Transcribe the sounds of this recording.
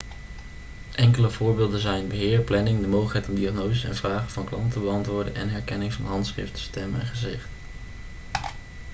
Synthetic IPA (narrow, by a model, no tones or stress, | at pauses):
ʔɛŋkələvʊːɹbɪːlˠdənzɛjnbəɦɪːɹplɛnɪŋdəmowχəkɦɛjtɔmdiɑχnowzəsɛ̰nvraːχəvɑnklɑntəbəɑntʋʊːɹdə̰nɛ̰nɦɛɹkɛnɪŋvɑnɦɑntsχrɪ̰ftə̥stɛmɛ̰nχəzɪχt